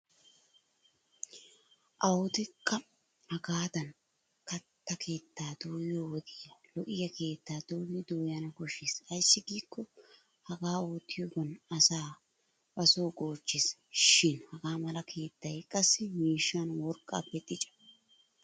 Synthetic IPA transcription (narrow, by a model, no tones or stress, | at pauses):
ʔɐwʊd̪ɪkʰːɐ | ʔɐɡaːd̪ɐn | kɐt̪ːɐkʰe̞ːt̪ːaːd̪oːjjoːwɔd̪ɪjɐlɔʔɪjɐkʰe̞ːt̪ːaːd̪̥oːjɪd̪oːjɐnɐkɔʃɪːsɐjsːɪɡiːkʰːɔ | hɐɡaːoːt̪ːɪjoɡɔnɐsaː | bɐsoːɡoːt͡ʃːɪsʃɪnhɐɡaːmɐlɐkʰe̞ːt̪ːɐjkʼɐsːɪmiːʃːanwɔɾkʼːa̰ːpːɛt̪ʼːɪt͡ʃʼɐ̥